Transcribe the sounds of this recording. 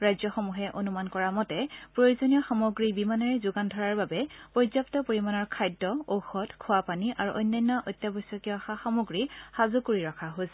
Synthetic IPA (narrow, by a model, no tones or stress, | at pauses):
ɹajzɔxɔmuɦɛʔonumankɔɹamɔtɛpɹojozonijɔxamoɡɹibimanaɹɛzʊɡandʱɔɹaɹbabɛpɔzaptɔpoɹimanɔɹkʰajdːɔowxɔtkʰʊwapaniʔa̰ɹuʔɔjnːajnːɔʔɔjtːjabɔjsɔkiɔxaxamoɡɹixazukoɹiɹɔkʰaɦos